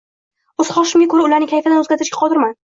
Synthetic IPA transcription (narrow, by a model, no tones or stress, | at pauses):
ɵz̥χɒʃɪmɡʲakʰɵɾaʊlaɾnɪkʲʰajfad̪anɵzɡʲaɾt̪ɪɾɪʃkʲḁqʰɒd̪ɪɾman